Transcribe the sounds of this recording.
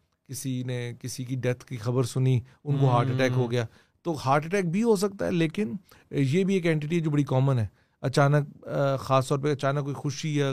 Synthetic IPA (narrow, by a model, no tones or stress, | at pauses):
kɪsinekɪsikiɖɛt̪ʰkixɐbəɾsʊniʊnkoɦaːɾʈɪʈɛːkɦoɡɐjaː | t̪oːhaːɾʈɪʈɛːk̚bʱiɦos̬ɐk̚t̪a̰ɦɛ̰leːkɪnjeːbʱieːkɛ̃ːɳʈ̬ɪʈ̬iɦɛd͡ʒoːbɐɽikɔːmənɦɛː | ɐt͡ʃaːnək̚xaːst̪ɔːɾpeɐt͡ʃaːnəkːoːixʊʃiɦɛ